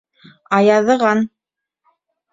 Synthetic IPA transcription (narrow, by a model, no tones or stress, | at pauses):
ɑjɑðɤ̆ʁɑn